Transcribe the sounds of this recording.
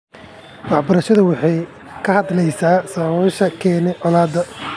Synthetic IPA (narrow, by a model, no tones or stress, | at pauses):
wɑħbɐɾɐʃɐðɐwɑħɑj | kʰɐhɐd̪lɛjsaːsɐːwɔːʃɐkʰɛːnɛʔɔlaːd̪ɐ